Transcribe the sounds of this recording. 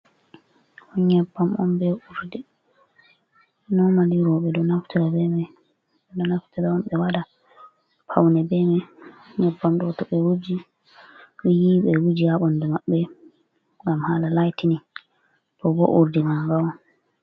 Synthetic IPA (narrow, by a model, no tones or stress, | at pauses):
ɔɲɛbːamʔɔmbɛuɾdɛ | nɔmaliɾɔɓɛdɔnaftɛɾabɛmɛ | ɛdɔnaftɛɾaɔmɓɛwada | pʰawnɛbɛmɛ | ɲɛbːamdɔtɔɓɛwud͡ʒi | ɗjiɓɛwud͡ʒiaɓɔndɛmaɓːɛ | ŋɡamhalalajtini | tɔbɔʔuɾdimaŋɡawɔn